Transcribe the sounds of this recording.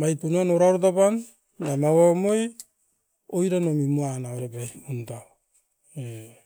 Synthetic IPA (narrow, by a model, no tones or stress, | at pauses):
majtunuanoɾaɾotapan | damawamoj | ojɾanomimuanaoɾebaunta | e